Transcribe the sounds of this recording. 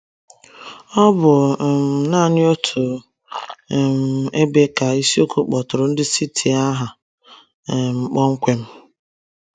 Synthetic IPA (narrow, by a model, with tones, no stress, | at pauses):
ɔ˦bʊ˨m̩˨naː˦˨nɪ˦o˦tʰʊ˨ | m̩˨e˦be˦ka˨i˦si˦o˦kʰo˦k͡pɔ˨tʊ˨ɾʊ˨n̩˦dɪ˦si˦tʰi˨a˦ɦa˨ | m̩˨k͡pɔ˦ŋ̩˦kʷe˦m̩˦